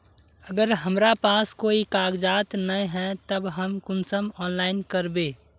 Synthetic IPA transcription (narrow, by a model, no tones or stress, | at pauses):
əɡəɾɦəmɾapaːskoːikaːɡd͡ʒaːt̪nəɦɛt̪əbɦəmkʊnsəmɔːnlaːɪnkəɾbeː